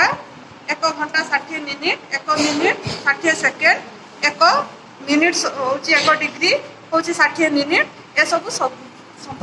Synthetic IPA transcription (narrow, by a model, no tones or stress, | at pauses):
a | ekɔɡʱɔɳʈasaʈʰieminiʈekɔminiʈsaʈʰiesekeɳɖ | ekɔ | miniʈɔowt͡ʃʰiekɔɖiɡɾi | kowt͡ʃʰisaʈʰieminiʈ | esɔbusɔ | sɔmbʱ